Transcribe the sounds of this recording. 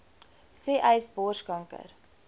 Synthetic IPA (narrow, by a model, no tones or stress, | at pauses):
seːʔɛjsboːʃkɐŋkə̰ɾ